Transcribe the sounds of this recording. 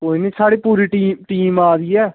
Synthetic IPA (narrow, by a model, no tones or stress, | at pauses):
koːiːnĩːsaːɽiːpuːɾiːʈiːʈiːmaːd̪iːɛː